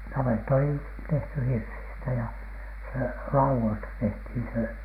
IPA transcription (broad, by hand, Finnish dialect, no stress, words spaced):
nɑʋetːɑ oli tehty hirsistæ jæ se lɑuwoistɑ tehthin se